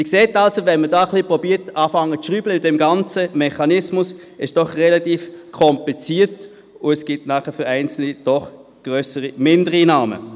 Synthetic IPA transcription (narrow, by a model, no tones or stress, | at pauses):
mɪkseːtɑlsovɛnmədaːχlipʁɔbiːətɑːfɑŋːəʃʁyːbləmɪtdɛmɡɑnt͡səmɛχɑnɪsmʊs | ɪʃd̥ɔχʁɛlɑtiːfkʰɔmplit͡siːət | ʊɛsɡ̥ɪtnɑːχəfʏʁæɪnt͡sl̩nid̥ɔχ | ɡ̥ʁøːsəʁimɪndəʁinaːmə̰